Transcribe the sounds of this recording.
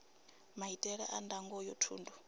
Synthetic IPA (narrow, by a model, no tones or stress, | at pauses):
maɦitʼɛɺɛʔandaŋɡɔjɔtʰṵːndu